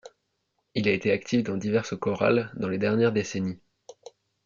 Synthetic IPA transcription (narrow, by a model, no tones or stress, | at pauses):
ilaet̪eakt̪ʰifd̪ɑ̃d̪ivɛʁsəkɔʁa̰ld̪ɑ̃led̪ɛʁnjɛʁd̪eseni